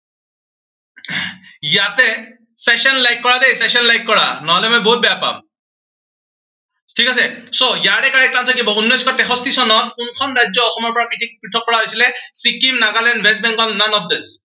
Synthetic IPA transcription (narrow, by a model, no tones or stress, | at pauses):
jatɛ | sɛsɔnlajkːɔɹad̪ejsɛsɔnlajkːɔɹa̰nɔɦɔlɛmɔjboɦut̚bɛjapa̰m | tʰikas̬ɛsojaɾɛkaɹɛkãnsʰakibɔunːɔjskʰɔtɛxɔstisɔnɔtkunkʰɔnɹajd͡ʒzɔːxɔmɔɹpɔɹakɹiʈʰik̚pɹiʈʰɔkːɔɹaɦojsilɛsikimnaɡalɛndbɛs̬bɛŋkɔnanɔt̚d̪es